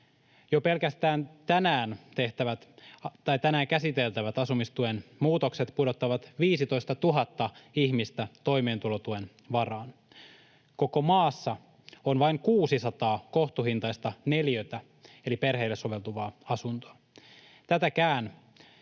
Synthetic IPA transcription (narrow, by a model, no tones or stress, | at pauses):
jope̞lkæst̪æːnt̪ænæːnt̪e̞ht̪æʋæt̪t̪ɑjt̪ænæːŋkæsit̪e̞lt̪æʋæt̪ɑsumist̪uenmuːt̪o̞kse̞t̪pudo̞t̪ːɑʋɑt̪ʋiːsit̪o̞jst̪ɑt̪uɦɑt̪ːɑiçmist̪æt̪o̞jme̞ːnt̪ulot̪ue̞n | ʋɑrɑːn | ko̞ko̞mɑːsːɑ | onʋɑiŋkuːsisɑt̪ɑːkoht̪uɦint̪ɑjst̪ɑne̞ljøt̪æ | elipe̞rɦe̞ːlːesoʋe̞lt̪uʋɑːɑsunt̪oɑ | t̪æt̪ækæːn